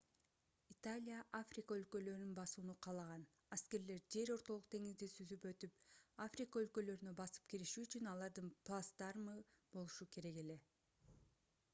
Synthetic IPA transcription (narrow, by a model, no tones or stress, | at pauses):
it̪alʲijaʔafrʲikaø̞lkø̞lø̞ɾnynbɑsuːnuqʰɑːlˠɑʁɑn | aske̞ɾle̞ɾd͡ʒe̞ɾo̞ɾt̪o̞lˠuq̚t̪ʰe̞ŋizd̪isyzypø̞t̪ypafrʲikaø̞lkø̞lø̞ɾynø̞bɑsɯ̥pkiɾiʃyːt͡ʃynɑlˠɑɾd̪ɯnplˠast̪ɑɾmɯb̥o̞lˠuʃukʰe̞ɾe̞ɡe̞le̞